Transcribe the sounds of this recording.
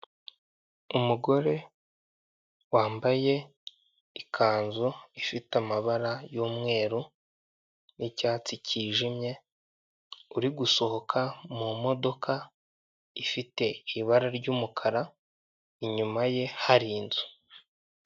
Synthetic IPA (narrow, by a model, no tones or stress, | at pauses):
umuɡo̞ɾe̞ | waːmbaje̞ | ikʰaːnzuifitamaβaɾajuːmŋe̞ːɾu | nicaːt͡siciːʒimɲe̞ | uɾiɡuso̞ho̞kʰamumo̞do̞kʰa | ifite̞iβaɾaɾɟuːmukʰaɾa | iɲumaje̞haɾiːnzu̥